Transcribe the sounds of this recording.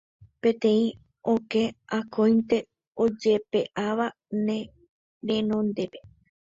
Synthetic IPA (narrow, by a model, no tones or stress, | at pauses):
pẽt̪ẽ̞ĩ | oke̞akʰõjnt̪e̞ | od͡ʒe̞pe̞ʔaʋa | nẽ | ɾẽnõnd̪e̞pe